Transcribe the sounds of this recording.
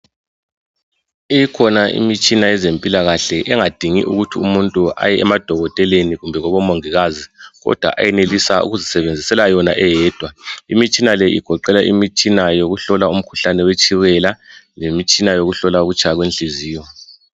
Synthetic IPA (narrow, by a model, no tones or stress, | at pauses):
ijikʰɔnaʔḭmit͡ʃʼinajɛzempʼilaɣaɬɛʔɛŋad̥ʱiŋḭʔṵɣutʰiumuntʼuʔa̰jɛɛmad̥ʱɔɣɔtʼɛleniɣumbʱɛɣɔβɔmoŋiɣaziɣɔ̰d̥ʱwa̰ʔa̰jɛnelisaṵɣuzisɛβend͡zʱisɛlajɔna̰ʔɛjɛːd̥ʱwaimit͡ʃʼinalɛḭɡ̥ʱɔǃɛlaʔimit͡ʃʼinajoɣuɬɔlaum̩kʰu̥ɬanɛwet͡ʃʼiwɛlalemit͡ʃʼinajoɣuɬɔlauɣut͡ʃʰʼaɣwenɬiziːjɔ